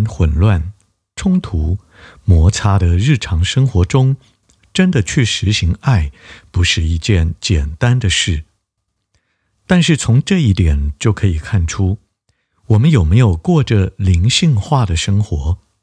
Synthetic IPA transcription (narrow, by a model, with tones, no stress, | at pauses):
nxwə˨˩nlwa˥˩n | ʈ͡ʂʰʊ˥ŋt̪ʰu˧˥ | mwɔ˧˥t͡sʰa˥d̪ə˨ɻɻ̩˥˩ʈ͡ʂʰɑ˧˥ŋʂɤ˥ŋxwɔ˧˥ʈ͡ʂʊ˥ŋ | ʈ͡ʂə˥nd̪ə˨t͡ɕʰy˥˩ʂɻ̩˧˥ɕi˧˥ŋa˥˩ɪpu˧˥ʂɻ̩˥˧i˥˧t͡ɕjɛ˥˩nt͡ɕjɛ˨˩nt̪a˥nd̪ə˨ʂɻ̩˥˩ | t̪a˥˧nʂɻ̩˥˩t͡sʰʊ˧˥ŋʈ͡ʂɤ˥˧i˥˩t̪jɛ˨˩nt͡ɕjo˥˩ʊkʰɤ˧˥i˨˩kʰa˥˩nʈ͡ʂʰu˥ | wɔ˨˩mə˦njo˨˩ʊme˧˥ɪjo˨˩ʊkwɔ˥˩ʈ͡ʂə˩li˧˥ŋɕi˥˧ŋxwa˥˩d̪ə˩ʂɤ˥ŋxwɔ˧˥